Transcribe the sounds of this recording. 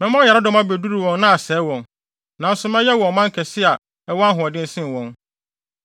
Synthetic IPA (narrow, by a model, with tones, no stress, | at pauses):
mɛ̃˦mɔ̃˦jɛ˨ɾa˦dʊ̃˦mã˦be˨du˦ɾu˨wɔ̃˨nnã˦a˨sɛː˨˦wɔ̃˨n | nã˨n̩˦sʊ˨˦mɛ̃˦jɛ˦wɔ̃˨n˨mã˦ŋ˦kʰɛ˨sɪ˦a˨ | ɛ˦wa˦ɦʊ˨ɔ˨dɪ̃˦n̩˦sɪ̃˦˨wɔ̃˨n